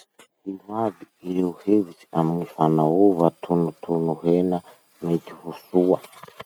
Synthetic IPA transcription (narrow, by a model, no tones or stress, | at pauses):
hiβadiiuhevit͡ʃi̥amŋifanauβatʰunut̪ʰunuɦɛna | med͡ʒihusua